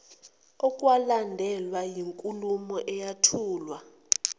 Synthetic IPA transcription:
ɔkʼwalandʱɛlwajiŋkʼulumɔʔɛjatʰuːlwa

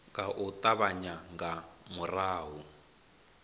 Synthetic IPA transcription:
ŋɡaʔut̪ʼaβaɲaŋɡamuraːɦu

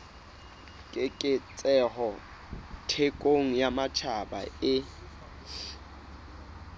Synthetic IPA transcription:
kʼɪkʼɪt͡sʼɛɦɔ | tʰekʼoŋ̩jamat͡ʃʰaba̰ɪ

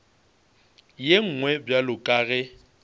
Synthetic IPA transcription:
jeŋ̩ːŋwɛbjalʊkʼaːɣɛ

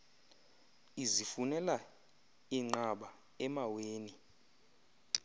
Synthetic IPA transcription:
izifunɛla | iŋ͡ǃaɓa | ɛmaweːni

